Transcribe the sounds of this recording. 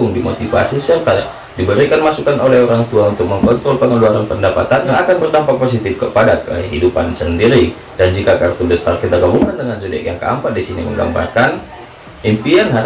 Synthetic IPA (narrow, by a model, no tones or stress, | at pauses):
ʊŋdimo̰t̪ifa̰sisərkajaʔ | dibəɾikanmasukanolɛhoɾaŋt̪uaunt̪ʊk̚məŋkɔnt̪ɾɔlpəŋəluaɾanpəndapat̪anjaŋakanbərdampak̚pos̬it̪ɪfkəpadakəɦidupa̰nsəndiɾi | dand͡ʒikakaɾak̚t̪ubəst̪arkit̪aɡabuŋandəŋansudɛ̰kjaŋkəa̰mpat̪̚disinḭmə̰ŋɡa̰mba̰rkan | impianɦa